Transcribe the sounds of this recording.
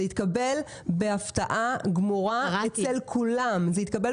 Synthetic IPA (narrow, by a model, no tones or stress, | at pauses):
eit̪̚kabe̞l | beaft̪aʔaɡmoʁaet͡selkʰulamzeit̪̚kabel